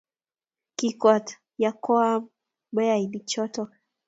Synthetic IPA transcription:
kika˨t | ja˨kɔ˦a˦ | ɓɛ˦a˨ilit͡ʃɔ˦tɔ

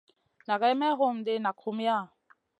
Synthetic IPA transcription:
na˨ka˦ɪ˦mɛ˦ɣʊ˨m̩˨dɪ˦na˨kʰʊ˦m̩˦ja˦˨

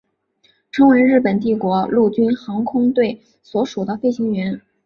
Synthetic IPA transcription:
ʈ͡ʂʰɤ˧˥ŋwe˧˥ɪɻɻ̩˥˩pə˨˩nt̪̬i˥˩kwɔ˧˥lu˥˩t͡ɕy˥nxɑ˧˥ŋkʰʊ˥ŋt̪we˥˩ɪ | swɔ˧˥ʂu˨˩d̪ə˦fe˥˩ɪɕi˧˥ŋɥɛ˧˥n

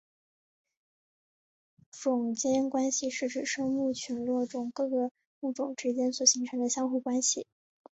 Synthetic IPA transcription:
fʊ˨˩ŋt͡ɕjɛ˥nkwa˥nɕi˨ʂɻ̩˥˩ʈ͡ʂɻ̩˨˩ʂɤ˥ŋmu˥˩t͡ɕʰy˧˥nlwɔ˥˩ʈ͡ʂʊ˨˩ŋkɤ˥˩ɡə˩ | u˥˩ʈ͡ʂʊ˨˩ŋʈ͡ʂɻ̩˥t͡ɕjɛ˥nswɔ˨˩ɕi˧˥ŋʈ͡ʂʰɤ˧˥ŋd̪ə˧ɕjɑ˥ŋxu˥˩kwa˥nɕi˨˩

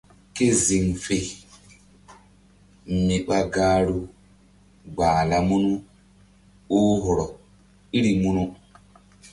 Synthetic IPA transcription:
ke˦zi˨ŋfe˨ | mi˨ɓa˦ɡaː˦ɾu˦ | ɡ͡baː˨la˨mu˦nu˦ | o˦ɦɔ˨ɾɔ˨ | i˦ɾi˨mu˦nu˦

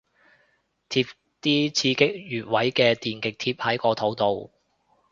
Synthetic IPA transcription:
t̪ʰiː˧p̚ | t̪iː˥t͡sʰiː˧kɪ˥k̚jyː˨˩t̚wɐ˨˥jkɛː˧t̪iː˨nkɪ˨k̚t̪ʰiː˧p̚hɐ˨˥jkɔː˧t̪ʰo˨˥wt̪o˨w

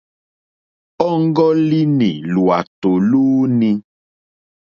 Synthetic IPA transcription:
ɔ˦ŋ̩˦ɡɔ˦li˦nḭ̃˨lu˨a˨t̪o˨lu˦nĩ˦

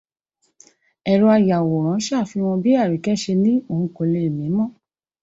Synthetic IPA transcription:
ɛ˨ɾɔ˧a˧ja˨wo˨ɾ̃ã˨˦ʃaː˦˨fi˧w̃ɔ̃˧bi˦a˦˨ɾi˨kɛ˦ʃe˧nĩ˦o˨ũ˧˦ko˧le˧˦i˨mĩ˨˦mɔ̃˦˨

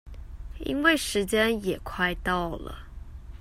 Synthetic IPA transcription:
ḭ˥nwe˥˩ɪʂɻ̩˧˦t͡ɕjɛ˥njɛ˨˩kʰwa˥˧ɪt̪ɑ˥˩ʊlə̰˨˩

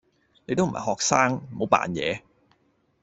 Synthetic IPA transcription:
ne˨˧jt̪o˥wm̩˨˩˨ɐ̰˨˩hɔː˨˩k̚saː˥ŋm̩˨˩ho˨˧˥wpa̰ː˨˩njɛ̰ː˨˧

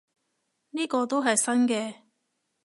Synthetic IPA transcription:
niː˥kɔː˧t̪o˥wɦɐ˨jsɐ˥nkɛː˧

